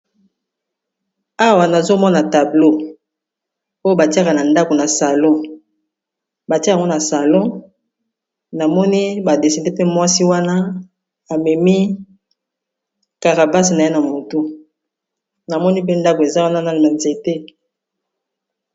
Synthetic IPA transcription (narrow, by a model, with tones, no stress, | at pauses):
a˦wa˨na˨zo˦mɔ˦na˨ta˨blo˦ | o˦jo˦ba˨ti˦a˦ka˨na˨nda˦ko˨na˨sa˨lɔ̃˦ | ba˨ti˦a˨ŋɡo˦na˨sa˨lɔ̃˦ | na˨mɔ˦ni˦ba˨de˨sɛ˨nde˦pe˦mwa˦si˦wa˦na˦ | a˨mɛ˨mi˦ | ka˨ʁa˨ba˦sna˨je˦na˨mo˨to˦ | na˨mɔ˦ni˦p̬e˦nda˦ko˨e˨za˦wa˦na˦na˦˨ma˨nze˨te˦